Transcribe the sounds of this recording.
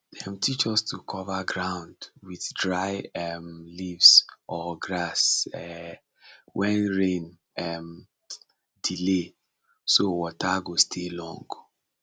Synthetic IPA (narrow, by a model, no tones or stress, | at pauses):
ɛ̃mtʰit͡ʃɔstʰukʰɔvaɡɹãʊ̃ndwiðdɹaɪɛmlivsʔɔɡɹasɛ | wʔɛ̃nɹẽn | ɛm | dile | sowɔtʰaɡostʰelɔ̰̃ŋɡ